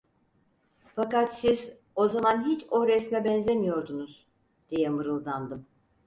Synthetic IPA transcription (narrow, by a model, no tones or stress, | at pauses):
fakat̪siz | o̞zamanɦit͡ʃo̞ɾɛsmɛbɛnzʲemijo̞ɾd̪unuz̥ | d̪̥ijɛmɯɾɯlˠd̪and̪ɯm